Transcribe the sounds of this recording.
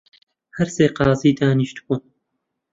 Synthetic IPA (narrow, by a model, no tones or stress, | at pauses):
hɐɾseːqɑːziːd̪aːniʃt̪bun